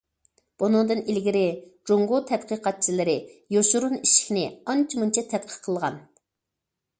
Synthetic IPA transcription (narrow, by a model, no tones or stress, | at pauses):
b̥unɨŋd̪ɨnilɡʲiɾɪd͡ʒoŋɡʊt̪ʰɛt̪qʰəqɑt̪̚t͡ʃʰilɪɾɪjoʃuɾuniʃɪ̥kʲnɪɑnt͡ʃʰimunt͡ʃʰɛt̪ʰɛt̪̚qʰə̥qʰːəlˠəʁɑ̰n